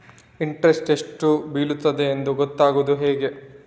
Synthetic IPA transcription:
iɳʈɾesʈe̞ʂʈubiːlut̪ːɐd̪e̞ːnd̪uɡɔt̪ːaːɡuːd̪uɦeːɡe̞

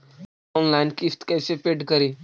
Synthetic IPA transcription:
ɔnlajnkist̪kɛjsepeʈkəɾi

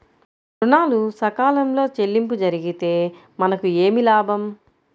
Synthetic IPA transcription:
pɾunaːlusɐkaːlɐmlo̞ːt͡ʃe̞lːimpud͡ʒɐɾiɡit̪e̞ː | mɐnɐkue̞ːmilaːbʱɐm

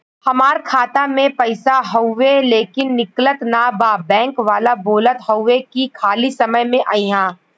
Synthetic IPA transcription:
hɐmaːɾkʰaːt̪amẽpɐɪsaɦɔʋeleːkɪnːɪklət̪nabaːbɛ̃ːŋkʋaːlaboːlət̪ɦɔʊwekikʰaːlisɐməjmẽʔaːiɦãː

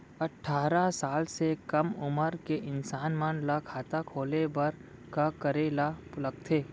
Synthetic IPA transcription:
ɐʈʰːaːɾasaːlsekɐmʊməɾkeʔɪnsaːnmanlakʰaːt̪akʰoːlebəɾ | kakəɾeːlapʊləkt̪ʰeː

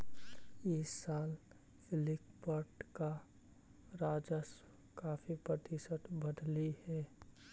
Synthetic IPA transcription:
iːsaːl | sɪlɪkpəʈka | ɾaːd͡ʒəs | kaːfʰipɾət̪isət̪bəd̪ʱlihɛː

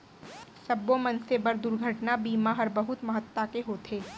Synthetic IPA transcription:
sɐbõmɐnsebɐɾd̪ʊɾɡʱəʈnabiːmaɦɐɾbɐɦʊt̪mɐɦət̪ːakeɦoːt̪ʰeː

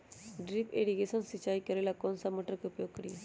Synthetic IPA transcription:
ɖɾipeɽiɡesənsit͡ɕaikəɾelakonsamoʈəɾkupjoɡ̚kəɽḭ

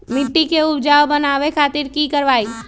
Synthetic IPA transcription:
mɪʈːikeʊbd͡ʒaːwbɐnaːʋekʰaːt̪iɾkikɐɾʋaːi

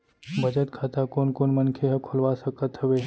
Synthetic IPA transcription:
bʱəd͡ʒət̪kʰat̪akonkonmənkʰeɦəkʰolʋasəkət̪ɦəʋe

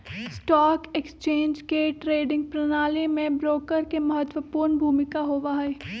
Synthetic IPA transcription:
sʈɔːkekst͡ʃẽːɲd͡ʒkeʈɾeːɖɪ̃ŋɡ̚pɾɐnaːlemẽbɾoːkəɾkemɐɦət̪wəpuːɾnbʱuːmɪkaɦoːʋaɦɛː

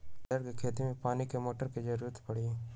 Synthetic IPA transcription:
əɾkekʰeːt̪imẽpaːnikemoːʈəɾked͡ʒɐɾuːɾət̪pɐɽi

